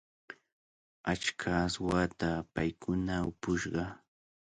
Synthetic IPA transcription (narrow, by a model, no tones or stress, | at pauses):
at͡ʃkʰaːswat̪apajkʰʊnaʊpʊʃɢɑ